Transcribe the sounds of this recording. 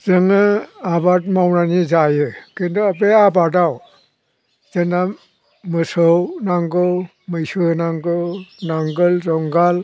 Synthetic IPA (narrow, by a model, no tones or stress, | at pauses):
zɯŋɯabat̚mawnanizajɯkɯndɔap̬eabataw | zɯna | mɯsɔwnaŋɡɯw | mɯjsɯnaŋɡɯwnaŋɡɯlzɔŋɡal